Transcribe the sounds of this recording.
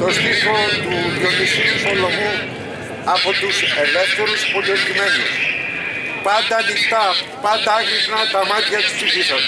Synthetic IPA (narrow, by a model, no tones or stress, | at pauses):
t̪o̞st̪ifot̪uðjomisiusolomu | ɐpo̞t̪useveft̪oɾuspoloskinɐzio̰s | pɐnd̪ɐːnixt̪ɐpɐnd̪ɐɐkɾiknɐt̪ɐmɐt̪çɐt̪u̥ssifisɐn